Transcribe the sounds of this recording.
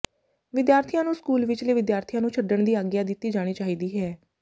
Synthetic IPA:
ʋɪd̪jaːɾt̪ʰijãːnũːskuːlʋɪt͡ʃleːʋɪd̪jaːɾt̪ʰijãːnũːt͡ʃʰəɖəɳd̪iːaːɡjaːd̪ɪt̪ːiːd͡ʒaːɽ̃iːt͡ʃaːɦiːd̪iːɦɛː

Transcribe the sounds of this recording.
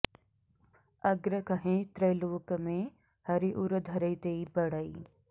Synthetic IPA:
ɐɡɾəkɐɦẽːt̪ɾɐjloːkəmẽː | hɐɾiʔuɾəd̪ʱɐɾɐit̪eibɐɽaiː

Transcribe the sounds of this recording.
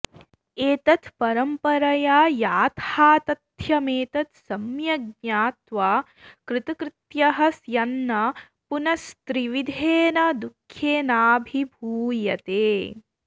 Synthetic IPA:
eːt̪ɐt̪pɐɾɐmpɐɾɐjaːjaːt̪ʰaːt̪ɐt̪ʰjɐmeːt̪ɐt̪sɐmjɐɡ̚ɲaːt̪ʋaː | kɾɪt̪ɐkɾɪt̪jɐɦɐsjɐnːɐ | punɐst̪ɾiʋid̪ʱeːnɐd̪ukʰːjeːnaːbʱibʱuːjɐt̪eː

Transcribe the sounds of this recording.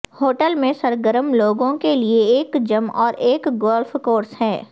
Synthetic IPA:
hoːʈəlmẽsɐɾɡəɾəmloːɡõkelieːkd͡ʒɐmɔːɾʔeːkɡoːlfkoːɾsɦɛː

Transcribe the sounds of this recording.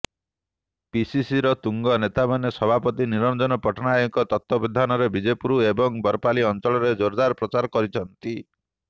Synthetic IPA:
pisisiɾɔt̪uŋɡɔnet̪amanesɔbʱapɔt̪iniɾɔnd͡ʒɔnɔpɔʈɔnajɔŋkɔt̪ɔt̪ːɔbid̪ʱanɔɾebid͡ʒepuɾuebɔŋbɔɾpaliɔnt͡ʃɔɭɔɾed͡ʒoɾd̪aɾɔpɾɔt͡ʃaɾkɔɾit͡ʃʰɔnt̪i

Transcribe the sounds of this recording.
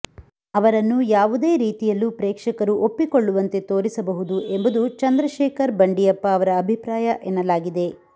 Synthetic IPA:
ɐʋɐɾɐnːujaːʋud̪eːɾiːt̪ijɐlːupɾɛːkʂɐkɐɾuʔopːiko̞ɭːuʋɐnt̪e̞t̪oːɾisɐbɐɦud̪uʔe̞mbud̪ut͡ʃɐnd̪ɾɐʃɛːkɐɾbɐɳɖijɐpːɐːʋɐɾɐːbʱipɾaːjɐʔenːɐlaːɡid̪e̞

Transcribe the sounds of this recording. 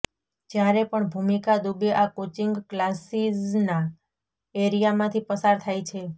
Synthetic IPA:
d͡ʒjaɾepəɳbʱumikad̪ubeʔakot͡ʃiŋɡklasizna | eɾijamãt̪ʰipəsaɾt̪ʰajt͡ʃʰe

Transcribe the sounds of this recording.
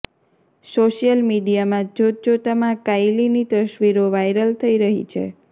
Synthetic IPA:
soʃijəlmiɖijamãd͡ʒod͡ʒot̪amãkajlinit̪əʃʋiɾoʋajɾəlt̪ʰəiɾəɦḭt͡ʃʰḛ

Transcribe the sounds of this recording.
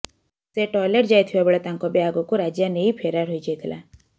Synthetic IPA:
seʈɔːjləʈd͡ʒaːt̪ʰiabəɭat̪ãŋkobjaːɡõkoɾaːd͡ʒjaneipʰeːɾaɾɦoid͡ʒejt̪ʰla̰ː

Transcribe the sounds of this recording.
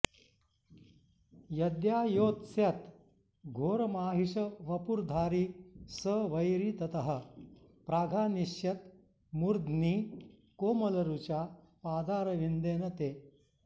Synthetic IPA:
jɐd̪jaːjoːt̪sjɐt̪ | ɡʱoːɾɐmaːɦiɕəʋɐpuɾd̪ʱaːɾiːsəʋɐjɾiːt̪ɐt̪ɐɦə̆ | pɾaːɡʱaːniɕjɐt̪ | muɾd̪niːkoːmɐlɐɾut͡ɕja | paːd̪ʱaːɾɐʋind̪eːnɐt̪eː

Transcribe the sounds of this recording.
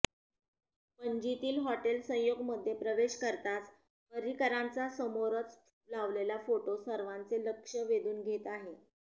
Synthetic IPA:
pəɲd͡ʑit̪iːlɦɔʈelsə̃j̃joɡməd̪ʱjepɾəʋeɕkəɾt̪at͡s | pəɾikəɾãnt͡sasəmoɾət͡s | laʋlelafoʈosəɾʋãnt͡seləkʂəʋed̪uːnɡʱet̪aɦe

